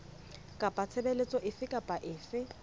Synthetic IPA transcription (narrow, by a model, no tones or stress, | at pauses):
kʼapʼat͡sʰɛbelet͡sʼɔʔɪfɪkʼapʼaʔɪːfɪ